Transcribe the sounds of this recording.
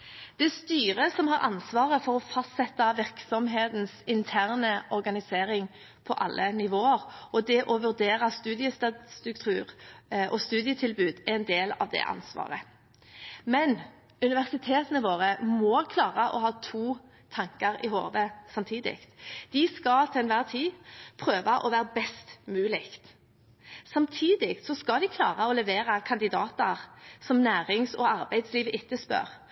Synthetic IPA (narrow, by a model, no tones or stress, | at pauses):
d̪̥ɛst̪yːʁəsɔmhɑɾʔɑ̰nsʋɑːʁəfɔɾɔfɑst̪sɛt̪ːɑʋɪʁksɔmɦeːt̪nsɪnt̪ʰæːʁnəʔɔʁɡɑnɪseːɾɪŋ | pʰɔʔɑ̰lːʔənɪʋoːəɾʔɔd̪ɛʔɔʋʉɾd̪eːʁəst̪ʉːd̪ɪəst̪ɑst̪ʉkt̪ʰʉːʁʔɔst̪ʉːd̪ɪət̪ʰɪlbʉːd̪æɾɛnd̪eːlɑ̰ʋd̪ɛ̰ʔɑ̰nsʋɑ̰ːʁə | mɛn | ʉnɪʋæʁsɪt̪ʰeːt̪ənəʋoːʁəmɔkʰlɑːʁɑʔɔ̰ɦɑːt̪ʰuː | t̪ʰɑŋkɑɾɪho̰ːʋəsɑmt̪ʰiːd̪ɪ̰kt̪d̪̥ɪskɑt̪ʰɛlɛnʋæːʁt̪ʰiːpʰʁøːʋɑʔɔʋæːʁəbɛst̪mʉːlɪkt̪ | sɑmt̪ʰiːd̪ɪkt̪sɔskɑd̪ɪkʰlɑ̰ːʁɑɔlɛʋeːɾɑkʰɑnd̪ɪd̪ɑːt̪əʁsɔmnæːʁɪŋsɔ̰ɑʁbæɪd̪sliːʋəʔɪt̪ːəspœ̰ʁ